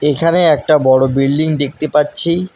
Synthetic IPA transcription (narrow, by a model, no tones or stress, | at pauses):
ekʰaneɛk̚ʈabɔɽobilɖiŋd̪ek̚t̪epatːɕʰi